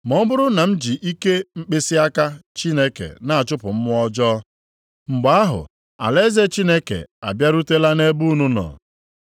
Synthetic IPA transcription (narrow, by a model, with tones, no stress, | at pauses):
mɔ˦bʊ˦ɾʊ˦na˨m̩˦d͡ʒi˨ʔi˦ke˦ŋ͡m̩˦k͡pe˦si˦a˦ka˦t͡ʃi˦ne˦kḛ˨na˨a˨t͡ʃʊ˦pʊ˨m̩˦m˦ɔ˦d͡ʒɔː˦ | ŋ͡m̩˨ɡ͡ba˦a˦ɦʊ̰˨ | a̰˨le˦ze˦t͡ʃi˦ne˦kḛ˨a̰˨bja˦ɾu˦te˦la˦ne˦bu˦nu˦nɔ̰˨